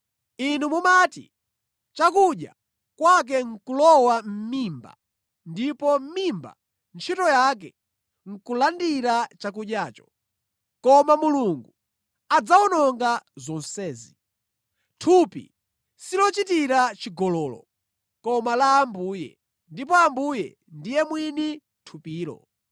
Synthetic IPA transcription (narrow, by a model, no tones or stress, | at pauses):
inumumatḭ | t͡ʃakuɗja̰ | kwak̬ɛŋ̩kulɔwam̩mimba̰ | ndipɔm̩mimba̰ | nt͡ʃʰitɔjak̬ɛ | ŋ̩kulandiɾat͡ʃak̬uɗjaːt͡ʃɔ̥ | kɔmamuluŋɡu | ad͡zaunɔŋɡazɔnsɛːzi | tʰupḭ | silɔt͡ʃitiɾat͡ʃiɡɔlɔːlɔ̰ | kɔmalaːmbuːjɛ̰ | ndip̬ɔambujɛ̰ | ndijɛmwini | tʰupiːɾɔ̰